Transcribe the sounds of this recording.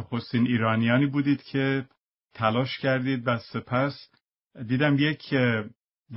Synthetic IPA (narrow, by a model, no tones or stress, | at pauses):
xost̪iːniːɾɒːnijɒːniːbuːd̪iːd̪̥cʰe̞ | t̪ʰælɒːʃcʰæɾd̪iːd̪væse̞pʰæs | d̪iːd̪æmjecʰ | d̪